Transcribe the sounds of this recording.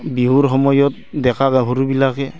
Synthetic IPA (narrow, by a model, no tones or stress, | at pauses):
biɦuɾɦɔmɔjɔt̪̚dɛkʰaɡaɦuɾubilakʰɛ